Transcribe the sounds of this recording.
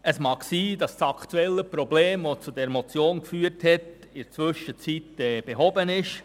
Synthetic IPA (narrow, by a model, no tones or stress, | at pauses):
əsmɑːksiːdɑssɑkʰt̪uɛlːəpɾɔbleːmʋot͡sudɛɾmɔt͡sjoːnkfyːəɾthɛt | ɪt͡sʋʏʃət͡sitɛːb̥eɦɔbənɪʃ